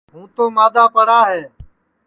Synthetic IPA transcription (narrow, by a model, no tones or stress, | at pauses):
ɦũːt̪oːmaːd̪aːpəɽaːɦeː